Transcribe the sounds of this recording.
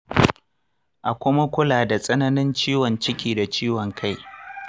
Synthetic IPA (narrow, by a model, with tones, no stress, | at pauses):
ʔa˨kʷʊ˦ma˦kʷʊ˦laː˨da˨sʼɐ˦nɐ˦nɪ˦nt͡ʃiː˦wɔ˨nt͡ʃɪ˦kʲiː˨da˨t͡ʃiː˦wɔ˨ŋkʰa˦j